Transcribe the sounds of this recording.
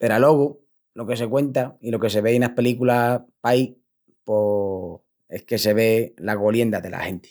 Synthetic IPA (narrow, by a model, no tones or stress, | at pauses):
pe̞ɾalo̞ɣu | lo̞ke̞s̬e̞kwe̞nt̪ailo̞kes̬e̞βe̞ienape̞likulapaj | po | e̞hke̞se̞βe̞laɣolje̞nd̪aðe̞̰la̰he̞nt̪e̥